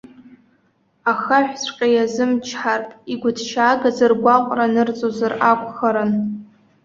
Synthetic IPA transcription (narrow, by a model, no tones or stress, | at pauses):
axaħᶣʷsʷʼqʲʼajazɨmt͡ʃʰħartʼiɡʷʊdʰt͡ʃʰaːɡazɨrɡʷaqʷʼranɨrt͡sʼozarakʷʰʼχaɾan